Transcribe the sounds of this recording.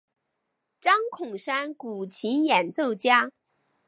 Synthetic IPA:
ʈ͡ʂɑ˥ŋkʰʊ˨˩ŋʂa˥nku˨˩t͡ɕʰi˧˥njɛ˨˩nt͡so˥˩ʊt͡ɕja˥

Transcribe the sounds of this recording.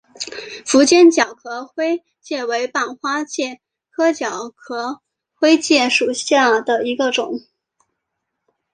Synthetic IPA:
fu˧˥t͡ɕjɛ˥˩nt͡ɕjɑ˨˩ʊkʰɤ˧˥xwe˥ɪ | t͡ɕjɛ˥˩we˧˥ɪpa˥˩nxwa˥t͡ɕjɛ˥˩ | kʰɤ˥t͡ɕjɑ˨˩ʊkʰɤ˧˥ | xwe˥ɪt͡ɕjɛ˥˩ʂu˨˩ɕja˥˩d̪ə˩i˧˥ɡə˧ʈ͡ʂʊ˨˩˦ŋ

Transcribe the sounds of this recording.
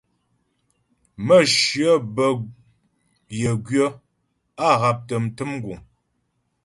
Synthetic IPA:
mə˦˨ʃɰə˦bə˨ | jə˨ɡɥə˦ | a˦˨ɣa˨p̚tə˨m̩˨tɨ˦m˦ɡu˨ŋ

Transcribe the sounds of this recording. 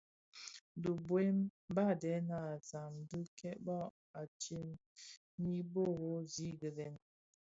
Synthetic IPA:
du˨bwe˦m˦ba˦˨dɛ˨˦na˨za˨mdə˦kɛ˦ʔbɔ˦ | a˨t͡ʃi˦m | ni˦bo˦ɣo˦zi˦ɡə˨lɛ˨n

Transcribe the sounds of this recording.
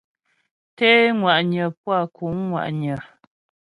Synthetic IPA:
te˦ŋwa˨ʔɲə˨p̚wa˦˨kʰu˨˦ŋːwa̰˨ʔɲə˨

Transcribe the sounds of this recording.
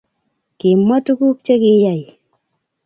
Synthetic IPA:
ki˨ma˦tu˦ku˦k̚t͡ʃe˦ki˦ja˨j

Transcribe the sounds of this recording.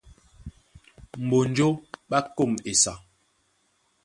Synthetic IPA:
m̩˨bo˨n˨˦d͡ʒo˦ɓa˦ko˦˨me˨sa˨

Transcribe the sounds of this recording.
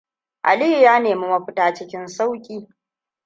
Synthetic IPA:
ʔa̰˨li˦jjaː˦neː˨mu˦mɐ˦ɸɪ˦taː˦t͡ʃɪ˦kʲɪ˦nsa˦wkʲʼiː˦

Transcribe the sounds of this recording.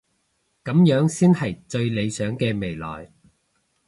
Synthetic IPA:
kɐ˨˥mjœː˨˥ŋsiː˥nhɐ˨˩jt͡sɵ˧ɥle˨˧jsœː˨˥ŋkɛː˧me˨˩jlɔ̰ː˨˩j

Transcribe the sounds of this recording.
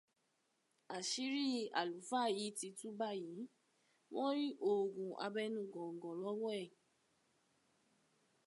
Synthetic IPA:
a˨ʃi˨˦ɾi˦˨a˨lu˨˦fa˦˨ji˨˦ti˧tu˦ba˦˨ji˨˦ | wʔɔ̃˦ɾi˦ʔo˨ɡũ˨ʔa̰˧bɛ˦nũ˦˨ɡɔ̃˨ŋ˨ɡɔ̃˨lɔ˦wɛ˦˨

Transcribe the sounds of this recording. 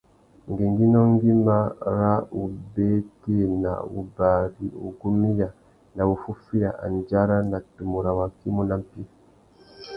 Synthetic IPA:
ŋɡe˨ŋɡi˦nɔ˦ŋɡi˦ma˦ɾa˦u˨be˦te˦na̰˨ṵ˨ba˨ɾi˨ṵ˨ɡu˦mi˦ja˨ | na˨wu˨fu˦fi˦ja˨ʔa̰˨n˨d͡ʒa˦ɾa˦na˨tu˨mu˨ɾa˨wa˨ki˦mu˦na˦m̩˨pi˦

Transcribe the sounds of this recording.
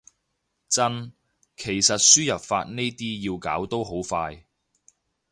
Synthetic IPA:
t͡sɐ˥n | kʰe˨˩jsɐ˨t̚syː˥jɐ˨p̚fa̰ː˧t̚ne˥jt̪iː˥jiː˧wkaː˨˥wt̪o˥wɦo˨˥wfaː˧j

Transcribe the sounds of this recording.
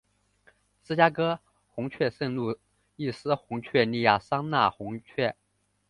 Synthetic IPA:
sɹ̩˥t͡ɕja˥kɤ˥ | xʊ˧˥ŋt͡ɕʰɥɛ˥˧ʂə˥˧ŋlu˥˧˩ | i˥˩sɹ̩˥xʊ˧˥ŋt͡ɕʰɥɛ˥˧ni˥˧ja˥˩sɑ˥ŋna˥˩xʊ˧˥ŋt͡ɕʰɥɛ˥˩

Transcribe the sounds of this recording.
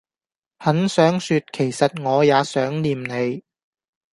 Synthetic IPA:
hɐ˨˥nsœː˨˥ŋsy˨˧t̚kʰe˨˩jsɐ˨t̚ŋɔː˨˧jaː˨˧sœː˨˥ŋliː˨mne˨˧j

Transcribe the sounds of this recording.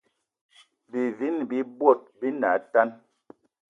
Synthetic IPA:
bi˨vi˦nbi˦bwɔ˦˨t̚bi˦na˨˦ta˦n

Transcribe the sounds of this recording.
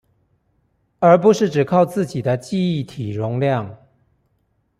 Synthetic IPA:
ə˧˥p̬u˧˦ʂɻ̩˥˩ʈ͡ʂɻ̩˨˩kʰɑ˥˧ʊt͡sɹ̩˥˨t͡ɕi˨˩d̪ə˦t͡ɕi˥˧i˥˩˨t̪ʰi˨˩ɻʊ˧˦ŋljɑ˥˨ŋ

